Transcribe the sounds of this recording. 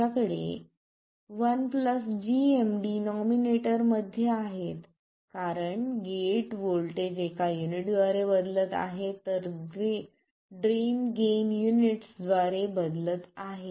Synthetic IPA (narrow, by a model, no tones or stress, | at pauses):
akəɽḛ | ʋənpləsd͡ʑiemɖinɔmineʈəɾməd̪ʱːjeaɦet̪ | kaɾəɳɡeʈʋoɭʈed͡ʑekʰajuniʈd̪ʋaɾebəd̪lət̪a̰ɦet̪əɾɡe | ɖɾimɡemjuniʈsd̪ʋaɾebəd̪lət̪aɦe